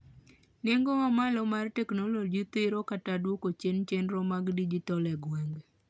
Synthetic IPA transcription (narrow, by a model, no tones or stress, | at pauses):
neŋɡoamalɔmartɛknolod͡ʒit̪ɪɾokatadwokot͡ʃent͡ʃendɾomaɡdid͡ʒit̪ɔlɛɡwɛŋɡ